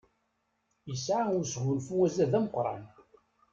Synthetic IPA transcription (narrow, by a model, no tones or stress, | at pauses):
jəsʕaʊɾsʝʊlfuwæzæðæməqɾˤɑ̰n